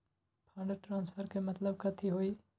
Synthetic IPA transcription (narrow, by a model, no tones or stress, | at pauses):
pʰãːɳɖəɾʈɾãːnspʰəɾkemɐt̪ləb̚kɐt̪ʰiɦoːiː